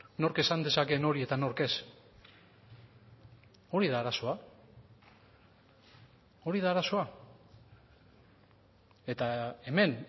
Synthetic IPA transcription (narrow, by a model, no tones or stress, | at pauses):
no̞ɾke̞sand̪e̞sake̞no̞ɾie̞t̪ano̞ɾke̞s | o̞ɾiðaːɾaso̞a | o̞ɾiðaːɾaso̞a | e̞t̪ae̞me̞n